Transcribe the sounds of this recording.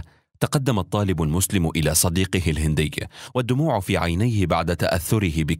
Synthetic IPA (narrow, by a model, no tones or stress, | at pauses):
t̪aqɑd̪ːamɑt̪ˤːɑːlɪbalmʊslɪmʔɪlaːsˤɑd̪iːqɪɦɪlhɪnd̪ɪjːwad̪ːʊmuːʕʊfiːʕajnajhɪbaʕd̪at̪aʔaθːʊɾɪɦɪbɪ